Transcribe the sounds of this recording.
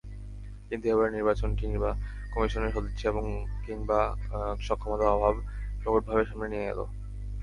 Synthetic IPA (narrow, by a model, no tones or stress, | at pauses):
kint̪ueboeɾniɾbat͡ɕonʈiba | kɔmiʃoneɾʃod̪et͡ɕːʰeeboŋkiŋbaʃɔkʰːomot̪aɔbʱabpɾokoʈ̚bʱabeɾʃamnenieɡḛlo̰